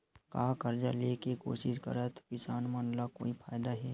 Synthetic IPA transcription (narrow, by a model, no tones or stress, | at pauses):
kaːkəɾd͡ʒaleːkeko̰ːʃɪʃkə̰ɾət̪kɪsaːnmaːnlako̰ːipʰaːjd̪aɦɛː